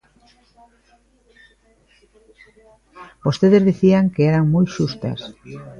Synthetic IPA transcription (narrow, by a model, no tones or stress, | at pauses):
bost̪eðezðiθiaŋkeeɾaŋmoj̪ʃust̪ɐ̰s